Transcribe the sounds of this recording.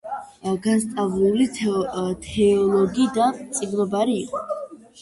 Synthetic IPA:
ɡast̪ʼavlulit̪ʰɛɔlˠɔɡid̪ant̪sʼiɡnɔbaɾiːqʼɔ

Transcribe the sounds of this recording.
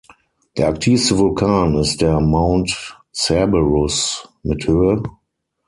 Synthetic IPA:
ð̥ɛaktʰiːstəvʊlkʰãːnɪsdɛɐmãʊ̃nt | sɛbəɹʊsmɪtʰhøə

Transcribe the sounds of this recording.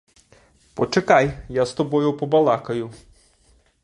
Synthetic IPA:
pɔt͡ʃekajjast̪ɔbɔjʊpɔbɐlˠɑkɐjʊ

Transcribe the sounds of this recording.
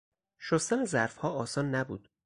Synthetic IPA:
ʃost̪ænezæɾfhɒːɒːsɒːnːæbṵːd̪̥

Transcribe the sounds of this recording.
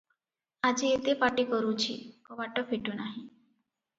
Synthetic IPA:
ad͡ʒiet̪epaʈikɔɾut͡ʃʰḭkɔʋaʈɔfʰiʈunaɦĩ

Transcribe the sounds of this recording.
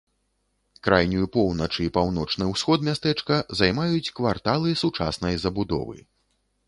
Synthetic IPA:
kɾajnʲujupɔwnɐt͡ʂɨipawnɔt͡ʂnɨwsxɔt̪mʲast̪ɛt͡ʂkɐzajmajut͡sʲkvart̪alˠɨsut͡ʂa̰snɐjzɐbud̪ɔ̰vɨ̰

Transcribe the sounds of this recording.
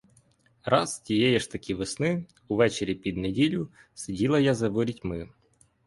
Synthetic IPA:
ɾʔɑstʲijɛjɛʃt̪ɐkʲiʋɪsnɪ | uʋɛt͡ʃeɾʲipʲid̪nedʲilʲʊ | sɪdʲilˠɐjazɐʋɔɾʲitʲmɪ

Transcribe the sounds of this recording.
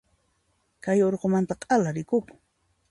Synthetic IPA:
kajoɾqomant̪aqʼalaɾɪkʊkʊ̥

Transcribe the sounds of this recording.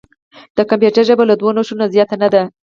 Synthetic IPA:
d̪̥əkampjeʈəʒəbalad̪wanoʃunazjɑt̪anad̪a

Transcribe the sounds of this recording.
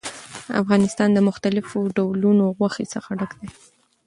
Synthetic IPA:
a̰fɣɑnɪst̪ɑnd̪əmʊxt̪alɪfoɖawlunoɣwaxesəxaɖakd̪e

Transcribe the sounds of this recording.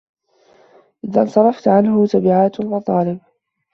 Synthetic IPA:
ʔɪðansˤɑɾˤɑft̪ʕanɦʊt̪abɪʕaːt̪almɑt̪ˤɑːlɪb̚

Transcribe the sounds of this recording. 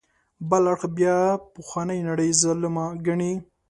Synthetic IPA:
bəlaɽxbjɑpʊxwanəjnaɽəjzələmaɡaɳi

